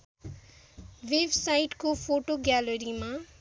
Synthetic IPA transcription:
websajʈkopʰoʈoɡjalʌɾima

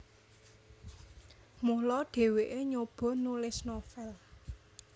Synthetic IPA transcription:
muhlɔɖ̪̥e̤weʔeɲob̥ɔ̤nulɪsnofɛl

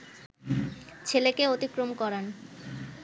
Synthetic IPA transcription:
t͡ɕʰelekeot̪ikɾomkɔɾan

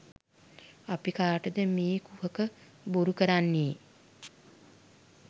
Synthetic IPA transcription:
apikaːʈəd̪əmiːkuhəkə | buɾukəɾanːiː

